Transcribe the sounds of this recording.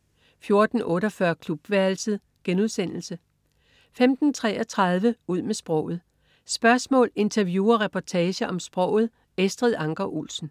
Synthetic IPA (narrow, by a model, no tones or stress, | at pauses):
fjo̝ɐd̥n̩ɔ̽ːɾɒfɶɐkʰlub̥ʋæɐl̩səð̩ˠ | ɡ̥enuð̞ˠsen̰l̩sə | femd̥n̩t͡sʰʁɛ̰ːɒ̽t͡sʰʁɑ̈ð̞ˠʋəuð̞̰ˠmesb̥ʁɔʊ̰ð̩ˠ | sb̥ɶɐsmɔ̰̽ːle̝nt͡sʰɐʋjuːɐʁɛpʰɒt͡sʰɛːɕɐʔɒ̽msb̥ʁɔ̽ʊ̰ð̞̩ˠ | esd̥ʁið̰ˠɑ̈ŋɡ̥ɐʔṵlsn̩